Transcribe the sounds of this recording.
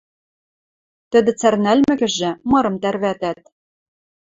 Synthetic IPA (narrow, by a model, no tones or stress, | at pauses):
t̪ɘ̆d̪ɘ̆t͡særnælmɘ̆ɣɘ̆ʒɘ̆mɤ̆ɾɤ̆mt̪ærβæt̪æt̪̚